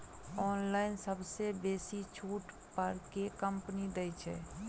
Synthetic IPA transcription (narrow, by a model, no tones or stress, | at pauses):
ɔːnlaːɪnsəbsebeːsit͡ʃʰuːʈ | pəɾkekəmpnid̪ɛjt͡ʃʰɛ̰